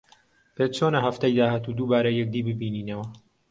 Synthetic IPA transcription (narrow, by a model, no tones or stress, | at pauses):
pet͡ʃʰonɐɦɐft̪ɐjd̪aːɦaːt̪ud̪uːbaːɾɐjɛk̚d̪iːbɨbiːniːnɐwɐ